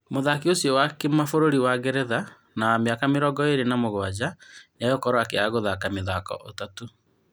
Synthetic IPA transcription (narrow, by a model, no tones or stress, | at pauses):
moðakiosjɔwakemafoɾoɾiwaɣeɾɛða | nameakameɾɔɡɔeɾenamoɣwad͡ʑanajɔkɔɾɔakeaɣoðakameðakɔ̰ʔotato